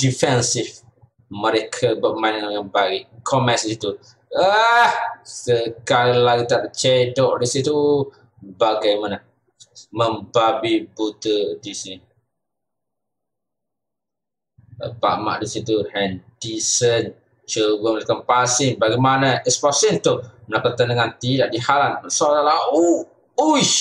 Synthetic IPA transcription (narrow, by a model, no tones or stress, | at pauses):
difɛnsif | məɾekʰabaʔ̚manãŋaɡanbaɡikʰɔmɛsdisit̪u | ahsəkaɾilaɡit̪ap̚ət͡ʃedɔʔdisit̪u | baɡajmana | mə̃mbabibut̪ədisin | pa̰ʔma̰ʔdisit̪uhɛndisən | t͡ʃəɡəməlikəmpasinbaɡamanəʔɛspɔsint̪uhənakət̪ənəŋant̪idaʔdihalansɔʔtalau | uj